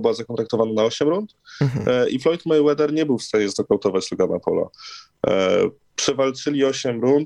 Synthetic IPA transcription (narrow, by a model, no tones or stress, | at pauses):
bɘwazakɔ̃nt̪ɾakt̪ɔvananaɔɕɛmɾunt̪ | ʔiflɔjt̪mɛjwɛd̪ɛɾɲɛbɘwfst̪aɲɛzd̪ɔkawt̪ɔvat͡ɕlɔɡama̰pɔ̰la̰ | pʂɛvalt͡ʂɘlʲiɔɕɛmɾunt̪